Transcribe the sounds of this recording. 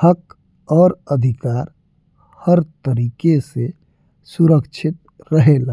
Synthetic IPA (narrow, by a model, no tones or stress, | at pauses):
hək | ɔːɾəd̪ʱɪkaːɾ | həɾt̪əɾiːkese | suɾəkt͡ʃʰɪt̪ | ɾəɦelaː